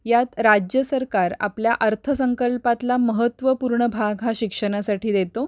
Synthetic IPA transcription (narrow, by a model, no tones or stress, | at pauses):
jat̪ɾad͡ʑjəsəɾkaɾa̰pljaʔəɾt̪ʰəsəŋkəlpat̪laməɦət̪ʋəpuɾɳəbʱaɡɦaɕikʂəɽ̃asaʈʰiːd̪et̪o